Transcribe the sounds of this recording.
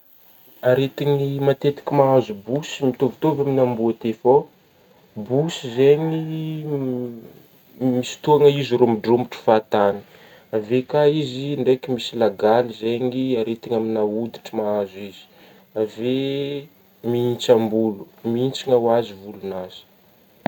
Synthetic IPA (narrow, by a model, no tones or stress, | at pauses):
aɾet̪iɲimat̪et̪i̥kʲimaazubusimit̪ovit̪ovaminambuat̪efo | busizeɲi | misi̥t̪uaŋəiziɾomiɖ͡ʐumbiʈ͡ʂi̥fat̪ani̥ | avekaiziɳɖ͡ʐekimisilaɡalizeɲiaɾet̪iɲaminaud̪i̥ʈ͡ʂimaazuiz̥i̥ | ave | miint͡sambulu̥miint͡siŋawazivulunaz̥i̥